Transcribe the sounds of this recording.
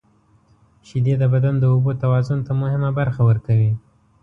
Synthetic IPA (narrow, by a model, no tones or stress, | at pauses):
ʃid̪ed̪əbad̪and̪əobot̪awɑzʊnt̪amʊhɪmabaɾxawəɾkawi